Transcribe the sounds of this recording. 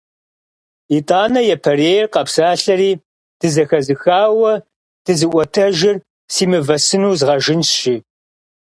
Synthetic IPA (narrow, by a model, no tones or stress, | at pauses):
itʼaːnɐjɛpʰɐreːjɛrqɐpsaːɬɐɾiː | d̥ɨzɐxɐzɨxaːwɐ | d̥ɨzɨʔʷɐtʰɐʒɪr | siːmɨvɐsɨnuːzʁɐʒɪnʃɪ